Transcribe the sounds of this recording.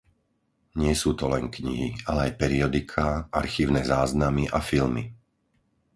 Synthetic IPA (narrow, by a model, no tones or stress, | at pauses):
ɲɪɛsuːt̪ɔlɛŋkɲḭɦialɛajpɛɾiɔd̪ikʰaʔaɾxiːʊnɛːzaːznamiʔafilmi